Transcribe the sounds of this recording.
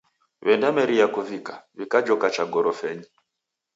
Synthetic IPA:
βɛndamɛɾijakuvikaβikad͡ʒɔkat͡ʃaɡɔɾɔfɛɲi

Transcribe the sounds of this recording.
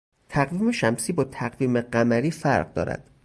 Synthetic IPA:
t̪ʰæɣviːme̞ʃæmsiːbɒːt̪ʰæɢviːmeɢæmæɾiːfæɾɢd̪ɒ̰ːɾæ̰d̪̥

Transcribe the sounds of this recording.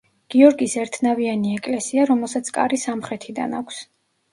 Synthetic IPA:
ɡ̥iɔɾɡisɛɾt̪ʰnavianiɛkʼlɛsiaɾɔmɛlˠsat̪sʰkʼa̰ɾisamχɾɛt̪ʰid̪a̰nakʷʰs

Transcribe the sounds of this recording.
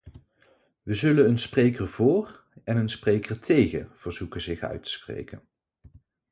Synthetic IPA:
ʋəzɵlənənsprejkəɹvʊːr | ɛnənsprejkəɹtʰejχə̰v̥əɹz̥ukəzɪχœ̰ɥtʰə̥sprḛjkən

